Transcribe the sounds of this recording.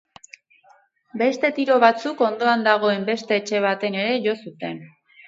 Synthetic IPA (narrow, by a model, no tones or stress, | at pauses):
be̞st̪e̞t̪iɾo̞βat͡suko̞nd̪o̞and̪aɣ̞o̞e̞mbe̞st̪e̞ːt͡ʃe̞β̞at̪e̞ne̞ɾe̞ʝo̞sut̪e̞n